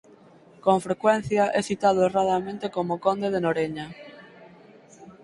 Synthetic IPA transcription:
koɱfɾekwɛn̟θjɐʔɛsit̪aðʊeraðamẽnt̪ekomʊkond̪eðenoɾeɲa

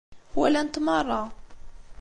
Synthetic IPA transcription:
hwælænət̪mɑrˤːɑ

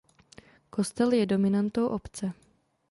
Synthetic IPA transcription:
ko̞st̪ɛljɛdo̞mɪnant̪owʔopt͡sɛ

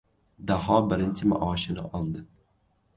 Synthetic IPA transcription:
d̪aɦɑːbɪɾɪnt͡ʃʰɪma̰ʔɑːʃɪnɪ̰ʔɑlˠd̪ɨ

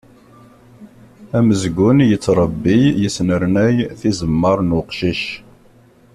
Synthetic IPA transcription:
æməzɡʷʊnjət͡sːɾˤəbːijəsnəɾnæjθizəmːəɾˤnʊqʃiʃ

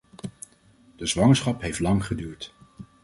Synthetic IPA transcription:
d̥əzʋɑŋəɹsχɑpɦejftlɑŋχədyːɹt

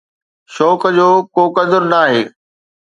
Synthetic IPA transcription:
ʃɔːkd͡ʑoːkoːkɐd̪ʊɾnaːɦḛː

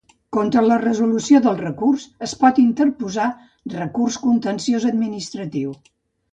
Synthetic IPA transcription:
kont̪ɾələrəzulusioðəlˠrəkursəspɔt̪int̪əɾpuza | rəkurskunt̪ənsiozəd̪minist̪ɾət̪iw

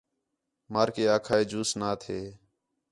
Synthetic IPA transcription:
maːɾkeːaːkʰaːeːd͡ʒuːsnaːt̪ʰeː

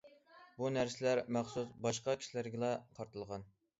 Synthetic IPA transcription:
bunæɾsɪlæɾmæχsusbɑʃqɑkʲʰi̥ʃilæɾɡʲɪlˠɑqʰɑɾt̪ʰɨlˠʁɑn

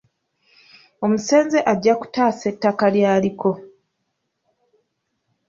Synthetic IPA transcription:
o̞muse̞ːnzeʔaɟːaku̥taːse̞tːakaljaːliko̞

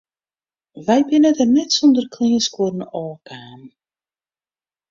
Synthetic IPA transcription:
ʋɛjbɪnətərnɛtsɔndərkʰliənskuərn̩ɔːkaːn

